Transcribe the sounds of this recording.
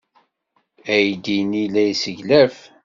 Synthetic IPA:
æjd̪inilæjsəʝlæf

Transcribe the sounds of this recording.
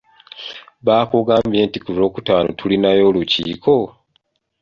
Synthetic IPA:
βaːkuɡaːmbje̞ːntikuzo̞ːkutaːno̰tʰulinajo̞ːlucḭːkʰo̞

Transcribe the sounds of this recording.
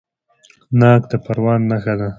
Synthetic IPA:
nɑkd̪əpaɾwɑnːaxad̪a

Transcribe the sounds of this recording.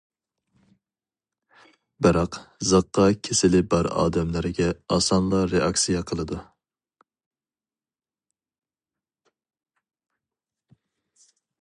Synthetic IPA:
bɪɾɑqzɨqːɑkʲʰesɪlɪbɑɾɑ̰ːd̪ɛmlɪɾɡʲɛɑsɑnlˠɑɾeʔɑksijɛqʰəlˠɨd̪u

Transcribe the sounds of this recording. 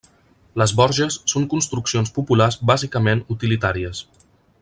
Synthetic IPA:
ləzβɔɾʒəsːoŋkunst̪ɾuksionspupularzbazikəmenut̪ilit̪aɾiəs

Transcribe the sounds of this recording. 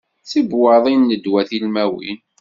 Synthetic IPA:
θibwɑðˤinːəd̪wæθilmæwḭn

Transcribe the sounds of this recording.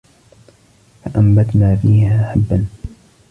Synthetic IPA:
faʔambat̪naːfiːhaːħabːan

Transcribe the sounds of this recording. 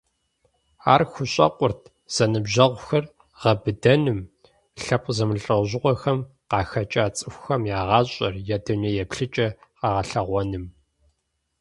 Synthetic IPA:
aːrxʷʊɕʼɐ̰qʷʼʊrtʰ | z̥ɐnɨbʑɐʁʷʊxɐr | ʁɐbɨdɐnɨm | ɬɐp̚ʼzɐmɨɬʼɐwʑɪʁʷɔxɐm | qɑːxɐt͡ʃʼaːt͡sʼɨxʷʊxɐmjaːʁɑːɕʼɐrjɛdɨnɐjɛpɬɨt͡ʃʼɐqɑʁɐɬɐʁʷɔnɨm

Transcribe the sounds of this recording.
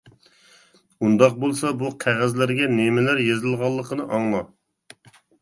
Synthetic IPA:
und̪ɑq̚bolˠsɑbuqʰæʁæzlæɾɡʲɛnemɪlæɾjezɪlˠʁɑlˠːəqʰənɨʔɑŋlˠɑ

